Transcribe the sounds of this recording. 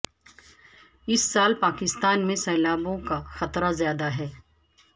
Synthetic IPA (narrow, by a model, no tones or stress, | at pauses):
ɪsːaːlpaːkɪst̪aːnmẽsɛːlaːbõkaxɐt̪ɾazjaːd̪aɦɛː